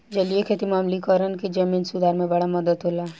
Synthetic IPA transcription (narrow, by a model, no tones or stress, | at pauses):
d͡ʒɐliekʰeːt̪imaːmlikɔːɾənkid͡ʒɐmiːnsʊd̪ʱaːɾmẽbɐɽamɐd̪əd̪ɦoːlaː